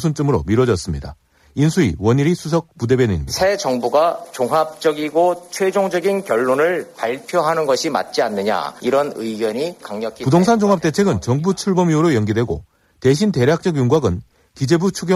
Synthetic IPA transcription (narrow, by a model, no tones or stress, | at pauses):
sʰunt͡ɕ͈ɯmɯɾomiɾwʌd͡ʑʌs͈ɯmɲida̰ | insʰuḭwʌɲiɾisʰusʰʌk̚p͈ude̞bjeneɲmːsʰe̞t͡ɕʌŋbuɡat͡ɕoŋɦap̚t͡ɕ͈ʌɡiɡot͡ɕʰwed͡ʑoŋd͡ʑʌɡinkjʌɭːonɯɭpaɭpʰjoɦanɯnɡʌɕʰima̰t̚t͡ɕ͈ianːɯɲa̰iɾʌnɯiɡjʌɲikaŋɲʌkʰipudoŋsʰand͡ʑoŋɦap̚t͈e̞t͡ɕʰe̞ɡɯnt͡ɕʌŋbut͡ɕʰuɭbʌmiuɾojʌnɡidwe̞ɡo̰ | te̞ɕʰinte̞ɾjak̚t͡ɕ͈ʌɡjuŋɡwaɡɯn | kid͡ʑe̞but͡ɕʰuɡjʌ